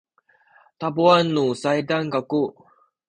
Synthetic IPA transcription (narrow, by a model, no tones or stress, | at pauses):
t̪abuanːusajdaŋkaku